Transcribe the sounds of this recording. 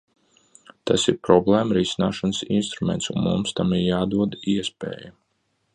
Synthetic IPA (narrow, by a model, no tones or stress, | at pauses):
t̪asiɾpɾɔblˠeːmɾisina̰ːʃanəsḭnst̪ɾumɛnt̪sunmṵmst̪amiɾjaːd̪uɔd̪iɛspɛ̰ːja